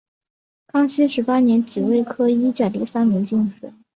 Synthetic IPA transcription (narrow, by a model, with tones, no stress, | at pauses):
kʰɑ˥ŋɕi˥ʂɻ̩˧˥pa˥njɛ˧˥nt͡ɕi˨˩we˥˩ɪkʰɤ˥i˥t͡ɕja˥˩li˧˥˩sa˥nmi˧˥ŋt͡ɕi˥˩ŋʂwɛ̰˨˩˦